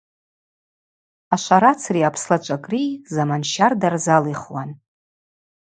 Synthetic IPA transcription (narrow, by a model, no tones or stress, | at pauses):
aʃʷaɾat͡sʰriapʰslat͡ʃʷʼakʼrizamanʃardarzaliχwan